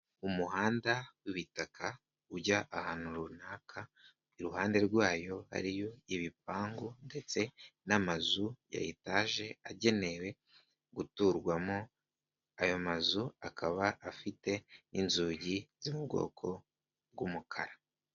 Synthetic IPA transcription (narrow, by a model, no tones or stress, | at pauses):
umuɦaːndawiβitakʰa | uɟaʔahanuɾunaːkʰa | iɾuɦaːnde̞ɾɡwaːjo̞ha̰ɾijo̞iβip̚aːŋɡonde̞t͡se̞namazuja̰jitaʒe̞aɟe̞ne̞we̞ | ɡutuːɾɡwamo | ajo̞mazuakʰaβaʔafite̞inzuːɟizimubɡo̞̰ːkʰo̞ | ɡumukʰaɾa